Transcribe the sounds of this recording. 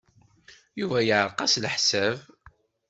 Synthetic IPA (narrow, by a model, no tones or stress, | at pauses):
juvæjəʕɾˤqɑslħsæv